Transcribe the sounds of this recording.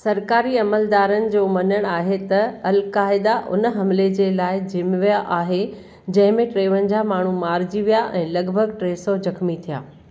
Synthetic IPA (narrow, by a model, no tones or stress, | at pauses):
sɐɾkaːɾiɐməld̪aːɾənɪ̆d͡ʑoːmɐɲəɽ̃aːɦet̪ɐɐlkaːɪd̪aʔʊ̰nəɦɐmled͡ʑeːlaːɪd͡ʑɪmʋijaʔaːɦe | d͡ʑɐ̃ɦɪ̃mẽʈɾeːʋənɪ̆d͡ʑaːmaːɳ̤umaːɾd͡ʑiʋijaʔɛ̃ːlɐɡbʱəɡʈɾeːsod͡ʑɐkmit̪ʰija̰ː